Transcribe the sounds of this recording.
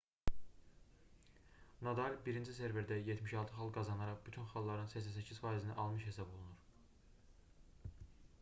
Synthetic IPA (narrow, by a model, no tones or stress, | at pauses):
nɑd̪ɑlʲbiɾind͡ʒis̬eɾveɾd̪æjet̪ʰmiʃɑlˠt̪ʰɯχɑlˠɡɑzɑnɑɾɑχbyt̪ʰynχɑlˠːɑɾɯnsæsæs̬æcʰiz̥fɑːizinæʔɑlˠmɯʃhe̞sɑbolˠunuɾ